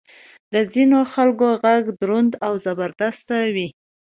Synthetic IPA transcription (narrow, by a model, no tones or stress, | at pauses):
d̪əzinoxalkoɣaɡd̪ɾʊnd̪awzabaɾd̪ast̪awi